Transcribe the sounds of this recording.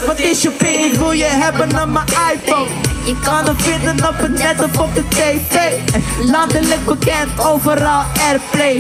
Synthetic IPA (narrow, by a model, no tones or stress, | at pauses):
ʋɑtɪsəpɪɪtɦujəɦɛbənaməʔajfonɪkːanəfɪndənɔpətnɛtɔfɔp̚dətejfeladələk̚bəkɛntowvəɾɑlˠɛrple